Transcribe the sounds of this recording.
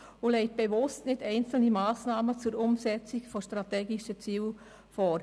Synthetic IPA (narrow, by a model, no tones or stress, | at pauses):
ʊlɛɪt̚b̥eʋʊstnɪdɛɪnt͡sl̩nimaːsnaːmət͡suɾʊmsɛt͡sikfɔʃtɾat̪ɛːɡiʃət͡siːl | fɔːɾ